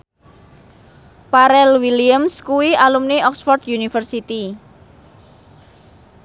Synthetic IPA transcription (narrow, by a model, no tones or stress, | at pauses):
paɾɛlwiliəmskuwiʔalumniʔɔksfɔrd̪junifərsit̪i